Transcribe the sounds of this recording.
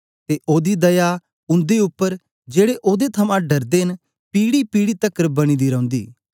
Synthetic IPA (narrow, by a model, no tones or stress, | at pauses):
t̪eʔoːd̪id̪ɐja | ʊ̃nd̪eʊpːəɾ | d͡ʒeːɽeʔoːd̪et̪ʰɐmãɖɐɾd̪eːn | piːɽipiːɽit̪ɐkːɾəbɐɽ̃iːd̪iɾɐ̃ʊ̃nd̪iː